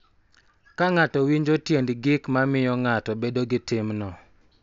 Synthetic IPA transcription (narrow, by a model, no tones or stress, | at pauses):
kaŋatɔwiɲd͡ʒotjendɡɪkmamɪjɔŋatɔbedoɡɪtɪmnɔ